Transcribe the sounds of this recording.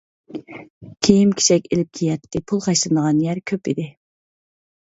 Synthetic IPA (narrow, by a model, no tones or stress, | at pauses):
kʲʰejimkʲʰi̥ʃɛkʲelɪp̚kʲʰejɛt̪ʰːɪpʰulˠχɑʃlˠɨnəʁɑnjæɾkʲʰøpid̪ɪ